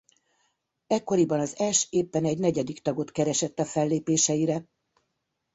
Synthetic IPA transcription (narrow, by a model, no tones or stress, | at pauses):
ɛkːo̞ɾibɒnɒzɛʃeːpːɛnɛɟnɛɟɛd̪ikt̪ɒɡo̞t̪kɛɾɛʃɛt̪ːɒfɛlːeːpeːʃɛjiɾɛ